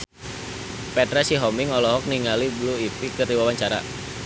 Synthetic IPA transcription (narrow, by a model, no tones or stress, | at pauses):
pɛt̪ɾasiɦɔmiŋɔlɔɦɔk̚niŋalibluipikərdiwawaɲt͡ʃaɾa̰